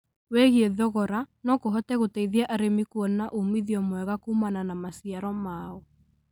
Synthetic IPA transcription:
wɛɣieðɔɣɔɾanɔkoɦɔtɛɣotɛiðiɛʔaɾemikwɔnaʔomiðiɔmwɛɣakumananamasiaɾɔmaɔ

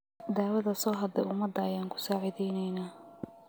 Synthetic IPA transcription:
d̪aːwɐðɐsɔːɦɐd̪ɛʔʊmɐd̪ɐɐjaːŋkʰʊ̥saːʕɪðɛjnɛjnaː

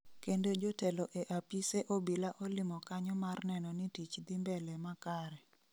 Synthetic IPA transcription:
kendod͡ʒotɛloʔeʔapiseʔobilaʔɔlɪmɔkaɲɔmarnɛnɔnitit͡ʃd̪ɪmbɛlɛmakaɾɛ

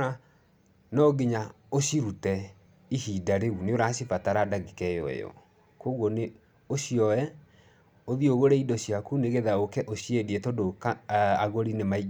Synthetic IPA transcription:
a | nɔɡeɲa | oɕiɾutɛ | ihidaɾeuneoɾaɕifataɾadaɣikɛjɔ̰ɛ̰jɔ̰ | koɣwɔne | oɕjɔwɛ | oðioɣoɾɛidɔɕjakuneɣeðaokɛʔoɕiediɛtɔdokaaɣoɾinemai

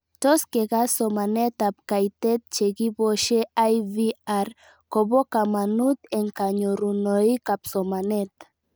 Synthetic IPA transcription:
t̪oskeɣasomanɛt̪ap̚kajt̪ɛt̪̚t͡ʃeɣiβoʃeajβiaɾ | koβokamanut̪eŋkaɲoɾunoikapsomanɛt̪

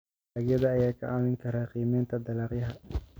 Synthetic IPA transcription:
aːɡjɐðɐːjaːkʰɐ̰ʔaːmɪŋkʰɐɾaːqiːmɛːnt̪ʰɐd̪ɐlaːqjɐɦɐ

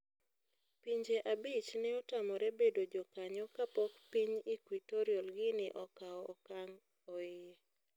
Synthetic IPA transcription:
piɲd͡ʒeʔabit͡ʃnɛɔtamɔɾɛbedod͡ʒɔkaɲɔkapɔkpiɲikwitɔɾiɔlɡɪnɪʔɔkaɔːkaŋ | ɔɪ

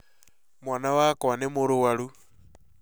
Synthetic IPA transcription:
mwaːnawakanemoɾuwaɾu

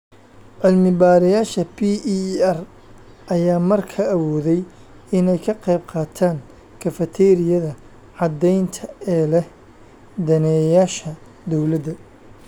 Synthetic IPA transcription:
ʕɪlmɪbaːɾɪjaːʃɐpʰiːɐr | ʔɐjaːmɐrkʰɐːwɔːðɛj | ɪnɛjkʰɐqɑjb̚qɑːt̪ʰaːŋ | kʰɐfɐt̪ʰɛːɾɪjɐðɐ | ʕɑd̪ɛjnt̪ʰɐɛːlɛh | d̪ɐnɛːjaːʃɐ | d̪ɔwlɐd̪ɐ

